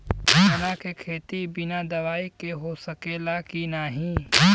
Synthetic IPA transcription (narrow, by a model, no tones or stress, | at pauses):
ɐnakekʰeːt̪ibɪnad̪ɐʋaːikeɦosɐkelakinaɦĩː